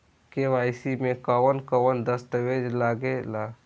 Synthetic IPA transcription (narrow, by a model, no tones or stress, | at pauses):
keʋaːjsimẽkəwənkəwənd̪əst̪əʋed͡ʒlaːɡelaː